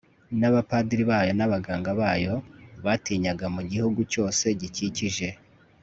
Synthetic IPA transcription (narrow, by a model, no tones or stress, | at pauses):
naβapadiɾiβajo̞naβaɡaːŋɡaβaːjo̞βatiːɲaɡamuɟihuɡuco̞ːse̞ɟiciciʒe̞